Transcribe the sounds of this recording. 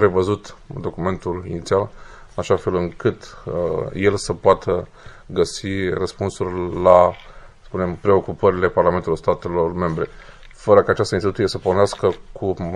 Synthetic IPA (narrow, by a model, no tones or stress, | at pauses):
pɾe̞vəzut̪d̪o̞kume̞nt̪ulinit̪sialɨnaʃafe̞lɨŋkɨt̪ | je̞lsəpoat̪ʰə | ɡəsirəspunsurʲlaspune̞mpɾe̞o̞kupəɾile̞paɾrlament̪ulorst̪at̪e̞lo̞rme̞mbɾe̞ | fəɾəkaːt͡ʃast̪əinst̪it̪usijesəporneaskəkʰu